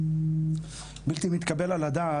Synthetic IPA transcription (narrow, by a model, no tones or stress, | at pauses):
bilt̪imit̪kabelalad̪aː